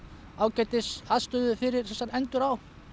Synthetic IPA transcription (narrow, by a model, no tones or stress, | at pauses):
aːwcɛːjt̪ɪsaðst̪ʏːðʏfɪɾɪ̥θɛsanɛnt̪ʏɾaw